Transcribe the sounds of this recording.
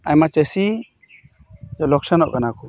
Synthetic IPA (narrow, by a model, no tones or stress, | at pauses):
ajmat͡ʃəsi | d͡ʒɔlɔksanɔʔkanakɔ